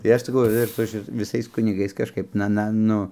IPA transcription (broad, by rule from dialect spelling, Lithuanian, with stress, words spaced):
tɐɪ ˈɐʃ sɐˈkɐʊ ɪr ˈsʊ ʃʲɪt ʋʲɪˈsɐɪs kʊnʲɪˈɡɐɪs kɐʃˈkɐɪp ˈnɐ ˈnɐ ˈnʊ